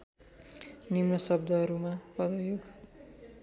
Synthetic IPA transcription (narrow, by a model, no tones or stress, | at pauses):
nimnʌsʌb̚d̪ʱʌɦʌɾumapʌd̪ʌjoɡ